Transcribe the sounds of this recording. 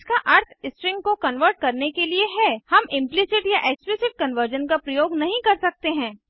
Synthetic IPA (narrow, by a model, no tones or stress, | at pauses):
skaʔɐɾt̪ʰɪsʈɾɪ̃ŋɡ̚kokɐnʋəɾʈ̚kɐɾnekelieɦɛhɐmɪ̃mplɪsɪʈjaʔeːksplɪsɪʈ̚kɐnʋəɾd͡ʒənkapɾɐjoːɡnɐɦĩkɐɾsɐk̚t̪eɦɛ̃ː